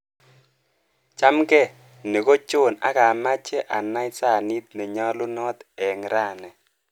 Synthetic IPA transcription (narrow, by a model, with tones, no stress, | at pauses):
t͡ʃa˦mkɛ˦˨ | ne˨ko˦t͡ʃo˦˨na̰˦ka˨ma˦t͡ʃɛ˦ʔa˨na˦ɪ˦sa˦˨ni˦t̪̚nɛ˨ɲɔ˦lʊ˦nɔ˦t̪ɛ˨ŋɾa˦˨nɛ˨